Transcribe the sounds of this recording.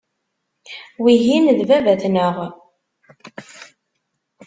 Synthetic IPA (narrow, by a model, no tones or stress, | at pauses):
wiɦinəlvævæθnəʁ